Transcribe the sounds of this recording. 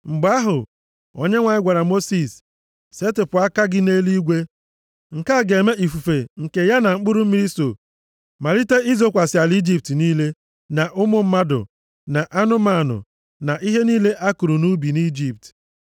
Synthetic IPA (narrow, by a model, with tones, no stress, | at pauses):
ŋ͡m̩˨ɡ͡ba˦ɦʊ˨ | o̰˨ɲe˦ŋʷa˨ɲɪ˦ɡʷa˨ɾa˨mo˦si˨s | se˦tɪ˨pʊ˨a˦ka˦ɡɪ˦ne˦li˦ɡʷe˦ | ŋ̩˨ka˦˨ɡe˨me˦ʔi˨fu˨fe˨ŋ̩˨ke˨ja˦na˨ŋ͡m̩˦k͡pʊ˦ɾʊ˦m̩˦mi˦ɾi˦so˨ | ma˨ɾi˦te˦i˦zo˦kʷa˨sɪ˨a˨li˦d͡ʒi˦p̚tniː˦le˦ | na˨ʔʊ˦mʊ˦m̩˦ma˦dʊ̰˨ | na˨ʔa˦nʊ˦ma˦˨nʊ̰˨ | na˨ʔi˦ɦe˦niː˦le˦ʔa˦kʊ˨ɾu˨nu˦bi˨ni˦d͡ʒi˦p̚t